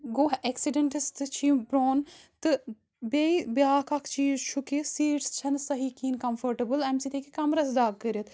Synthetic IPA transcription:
ɡoːɦeksiɖɐɳʈist̪ɨt͡ʃʰiːbɾoːnt̪ɨ | beibjaːkʰakʰt͡ʃiːzt͡ʃʰukisiːʈst͡ʃʰɐnsɐɦikiːnkɐmfʰɐɾʈɐbɨlɛmsiːt̪ʰekikɐmɾɐsd̪aːɡ̚kəɾɐt̪ʰ

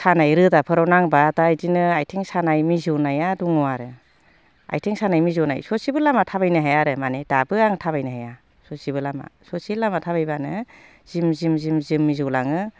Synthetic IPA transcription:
sanajɾɯdapʰɯɾɔwnaŋbatajdinɯajtʰeŋsanajmizɯnajaduŋɔaɾɯ | a̰jtʰeŋsanajmizɔna̰jsɔsibɯlamatʰabajnɯɦajaɾɯmanedabɯaŋtʰaβajnɯɦaja | sɔsibɯlama̰sɔsilamatʰaβajbanɯ | z̥imzimzimzimːizɔwlaŋɯ

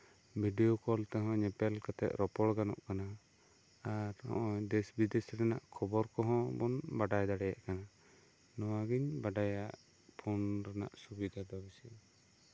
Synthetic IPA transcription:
miɖijɔkɔlt̪ɛɦɔ̃ɲɛpɛlkat̪ɛ̰ʔ̪ɾɔpɔɽɡanɔ̰ʔkana | aɾhɔ̰̃ʔɔd̪ɛsbid̪esɾɛnaʔkʰɔbɔɾkɔɦɔ̃bɔnbaɖajd̪aɽɛjaʔkana | nɔwaɡiɲbaɖajaʔ | pʰɔnɾɛna̰ʔsubid̪ʱad̪ɔbisi

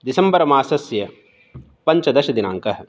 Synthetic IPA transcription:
d̪isɐmbɐɾɐmaːsɐsjɐ | pɐɲt͡ʃɐd̪ɐʃɐd̪ina̰ːŋkɐɦɐ̆

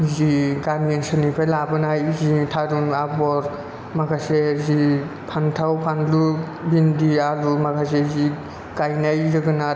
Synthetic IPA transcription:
ziɡanɡeŋsɯnipʰajlabɯnajzitʰaɾunabɔɾ | maɡʰasezipʰantʰawpʰanlu | bindialumakʰasezi | ɡajnajzɯɡɯna

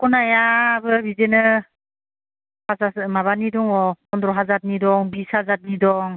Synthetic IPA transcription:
kɔnajabɯbizenɯ | pasamaβanidɔŋɔpɔndɾɔɦazat̚nidɔŋbisazat̚nidɔŋ

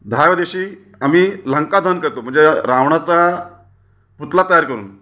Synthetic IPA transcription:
d̪ʱajʋəd̪eɕiː | amiːləŋkad̪ʱənkəɾt̪om̤əɳnd͡zeɾaʋɳat͡sa | put̪lat̪əjaɾkəɾṵːn

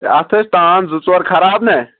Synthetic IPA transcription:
ɐt̪ʰɐst̪aːnzʊt͡swɐɾkʰɐɾaːbne

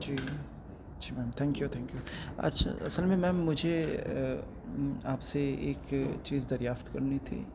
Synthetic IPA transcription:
d͡ʒiː | d͡ʒiːmɛːmt̪ʰɛ̃ːŋkjut̪ʰɛ̃ːŋkjuɐ̰tːʃʰa̰ɐ̰səlmẽmɛ̃ːmːʊd͡ʒʱe | aːpseḛːkt͡ʃiːzd̪ɐɾjaːft̪kɐɾnit̪ʰḭː

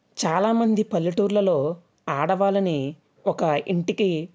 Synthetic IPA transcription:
t͡ʃaːlaːmɐnd̪ipɐlːiʈuːɾlɐlo̞ː | aːɽɐʋaːlɐni | ɔkɐiɳʈiki

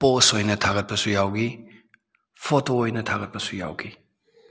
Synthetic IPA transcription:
posojnɐtʰaɡɐt̚pɐsujawɡi | pʰotoːjnɐtʰaɡɐt̚pɐsuja̰wɡi

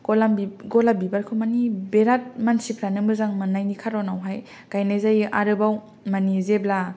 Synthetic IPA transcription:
ɡ̥olambiɡɔlabibaɾkʰɯmanibeɾat̚mansipʰɾanɯmɯɾzaŋmanajnikʰaɾɔnawɦaj | kajnazajʔa̰ɾɯbaw | manizebla

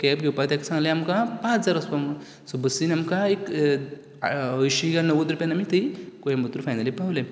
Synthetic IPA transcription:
kɛpɡʱewpat̪jɛksãŋɡlẽamkãpãt͡sd͡zaɾəspam | sɔbəsinamkaek | əjɕiɡanəʋət̪̬ɾupʲjanamit̪əikojemət̪ɾufajnalipawlẽ

